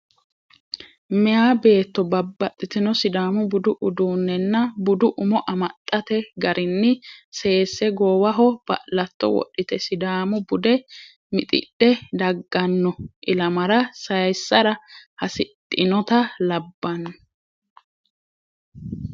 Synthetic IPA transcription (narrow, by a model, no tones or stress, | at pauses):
mɛjaːbe̞ːt̪ːɔbɐbːɐt̪ʼːɪt̪ɪnɔsɪd̪aːmʊbʊd̪ʊʔʊd̪uːnːɛnːɐbʊd̪ʊʔʊmɔʔɐmɐt̪ʼːɐt̪ɛɡɐɾʔɪnːɪse̞ːsːɛɡoːwɐɦɔb̥ɐ̰ʔlɐt̪ːɔ̰wɔ̰ɗːɪt̪ɛsɪd̪aːmʊbʊd̪ɛ | mɪt̪ʼɪ̰ɗɛd̪ɐɡːɐnːɔʔɪlɐmɐɾɐsɐjjsːɐɾɐhɐsɪt̪ʼːɪnɔt̪ɐlɐbːɐnː